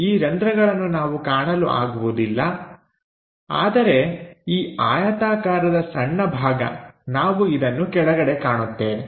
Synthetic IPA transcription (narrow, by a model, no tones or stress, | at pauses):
iːɾɐnd̪ɾɐɡɐɭɐnːunaːʋukaːɳɐluʔa̰ːɡuʋud̪ilːɐ | a̰ːd̪ɐɾe̞iːaːjɐt̪aːkaːɾɐd̪ɐsɐɳːɐbʱaːɡɐ̰naːʋuid̪ɐnːukɛɭɐɡɐɽe̞kaːɳut̪ːe̞ːni